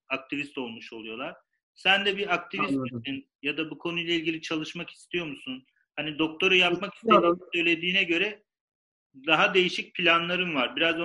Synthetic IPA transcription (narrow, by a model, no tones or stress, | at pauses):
ak̚t̪ʰivist̪o̞lˠmuʃo̞lˠujo̞lˠaɾ̥ | sænd̪ɛbiakt̪ʰivist̪isin | jad̪abukʰo̞nujlˠailʲɟʲilʲit͡ʃʰalˠɯʃmaki̥st̪ʰijo̞ɾmusun | hanid̪o̞k̚t̪ʰo̞ɾajap̚maki̥st̪iɾosø̞jlʲe̞d̪iːnɛɟø̞ɾɛ | d̪aɦad̪e̞jiʃic̚pʰilʲanlˠaɾɯnvaɾbiɾaz